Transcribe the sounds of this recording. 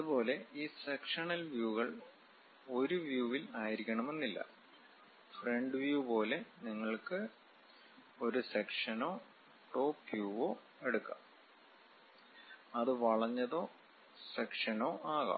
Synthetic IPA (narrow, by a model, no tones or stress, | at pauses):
ɐðubo̞ːle̞iːsekʂɐɳɐlʋjuːɣɐɭ | o̞ɾuʋjuːʋilaːjiɾikʲːɐɳɐme̞nːilːɐ̰ | fre̞ɳɖɨʋjupo̞ːle̞niŋːɐɭkɨ | o̞ɾusekʂɐno̞ː | ʈo̞ːpjuːʋo̞ː | e̞ɽukːɐ̰m | ɐðɨʋɐɭɐɲːɐðo̞ː | sekʂɐno̞ːʔaːɣɐ̰